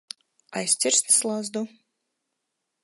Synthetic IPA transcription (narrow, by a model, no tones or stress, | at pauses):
ajsʲt͡s̪ʲiɾst̪ɨ̥slˠazd̪u